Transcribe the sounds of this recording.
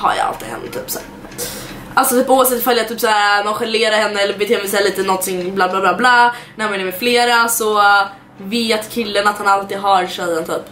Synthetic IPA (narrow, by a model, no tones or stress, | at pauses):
ha̰ɾja̰a̰lt̪iːd̪ɦɛ̰nːə̰t̪ʰyːpsæ̰ːɾ | ʔalsɔt̪ʰyːpʊːavsɛt̪ːfœljat̪ʰyːpsæːɾmanɧɛleːɾaɾhɛnːəɛlːəɾbɛt̪ʰeːmɛsɛːliːt̪ənɔnt̪ʰɪŋblaːblaːblaːblaːnæɾamɛnəɾmɛfleːɾasɔ | veːt̪kʰɪlːənat̪hanalt̪iːd̪ɦaɾʂœənt̪ʰyːp